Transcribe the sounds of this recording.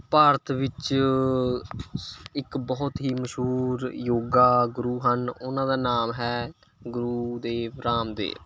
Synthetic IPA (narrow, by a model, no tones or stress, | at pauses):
paːɾət̪ʰʋɪt͡ʃ | ɪkbɔːʊt̪ɦiːməʃɦuːɾjoːɡaːɡʊɾuːɦənʊnãːd̪aːnaːmɦɛː | ɡʊɾuːd̪eːʋɾaːmd̪ḛː